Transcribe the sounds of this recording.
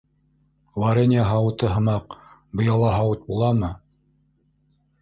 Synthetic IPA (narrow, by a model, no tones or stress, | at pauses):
laɾenʲiaɦɑwɤ̆t̪ɤɦɤ̆mɑqbɤ̆jɑlˠɑɦɑwɤt̪̚bulˠɑmɤ